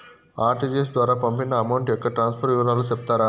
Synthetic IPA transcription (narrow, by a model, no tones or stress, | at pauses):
aːɾʈid͡ʒes̬d̪ʋaːɾaːpɐmpinːɐːmɐwɳʈjɔkːɐʈɾaːnspʰɐɾʈʋiʋɐɾaːlut͡ʃep̚t̪aːɾa